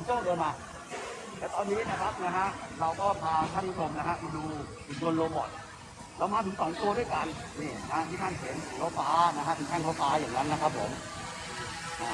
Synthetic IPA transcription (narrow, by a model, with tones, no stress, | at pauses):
ɔ˨˦t̪uː˥˩doː˧nmaː˧ | t̪ɛː˨˩t̪ɔː˧nːiː˦˥na˦˥kʰa˦˥p̚na˦˥kʰa˦˥ʔɾa˧wkɔː˥˩p̪ʰaː˧t̪ʰaː˥˩nːɾu˦˥t̪ʰo˧mna˦˥kʰa˦˥ʔm˧˩duː˧ | u˧du˧ənloː˧bɔ̰˨˩t̪̚ | ɾa˧wmaː˧t̪ʰɯ˩˦ŋsɔː˨˩˦ŋt̪uː˥˩ədu˥˩jka˧nniː˧˩na˦ha˦˥t̪ʰiː˥˩t̪a˥˩nsʰeː˩˦nː˨˦kʰa˦˩faː˦˥na˦˥kʰa˦˥t̪ʰi˧ŋtʰɛː˥˩ŋkʰa˥˩faː˦˥jaː˨˩ŋna˦˥nːa˦˥kʰa˦˥pʰːo˩˦m | ʔaː˧˩